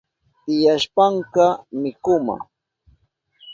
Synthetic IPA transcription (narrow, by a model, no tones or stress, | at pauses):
t̪ɪjaʃpaŋkɑmɪkʊma̰